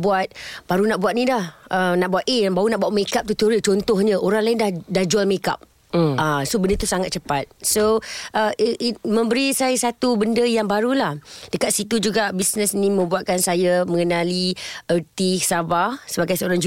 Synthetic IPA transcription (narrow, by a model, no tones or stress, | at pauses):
buat̪̚b̥aɾunaʔbuat̪̚nidahənaʔbuat̪eabaunaʔbuaʔ̚mekap̚t̪ut̪ioɾit͡ʃɔnt̪ɔhɲəʔoɾaŋlaɪndahdahd͡ʒualmeka̰p̚ | əsobəndət̪usaŋat̪̚t͡ʃəpat̪̚soʔəmə̃mbəɾisajasat̪ubəndəjaŋbaɾulahd̥əkat̪̚sit̪ud͡ʒuɡaʔbisnəsinĩmə̃mbuat̪̚kansajamə̃ŋənaliərt̪isabasəbaɡajsəoɾaŋd͡ʒu